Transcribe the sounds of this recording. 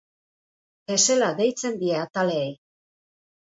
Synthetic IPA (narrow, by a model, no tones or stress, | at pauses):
e̞se̞laðe̞jt͡se̞nd̪ie̞at̪aleej